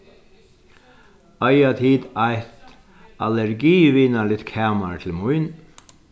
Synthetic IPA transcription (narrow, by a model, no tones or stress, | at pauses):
œjat̪ʰiːd̪ajt̪ | alɛɹɡiːʋiːnalɪt̪kʰɛːmaɹt̪ʰɪlmujn